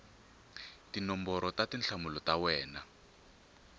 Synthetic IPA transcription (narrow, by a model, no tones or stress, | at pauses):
tinɔmbɔɾɔtatinɬʰamulɔtawɛːna